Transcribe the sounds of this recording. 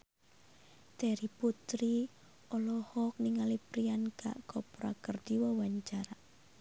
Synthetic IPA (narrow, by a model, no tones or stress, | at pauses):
t̪ɛɾiput̪ɾi | ɔlɔhɔk̚niŋalipɾianka̰ʔkɔpɾakərd̪̥iwɔwaɲt͡ʃaɾa